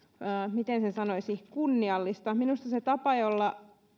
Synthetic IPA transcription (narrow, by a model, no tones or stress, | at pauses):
mit̪ensesɑnoisihkunːiɑlːist̪ɑminust̪ɑset̪ɑpɑjolːɑ